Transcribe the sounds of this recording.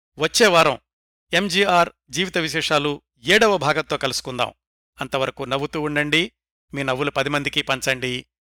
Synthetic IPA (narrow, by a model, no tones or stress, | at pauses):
ʋɐt͡ʃːeɛːʋaːɾɐ̃w̃ | e̞md͡ʒiːaːɾ | d͡ʒiːʋit̪ɐʋiʃɛːʂaːlu | eːɽɐʋːɐbʱaːɡɐnt̪ːoːkɐlusu̥kund̪a̰ːm | ɐnt̪ɐʋɐɾɐkunɐʋːut̪uːuɳɖɐɳɖi | miːnɐʋːulupɐd̪imɐnd̪ikipɐɲt͡ʃɐɳɖi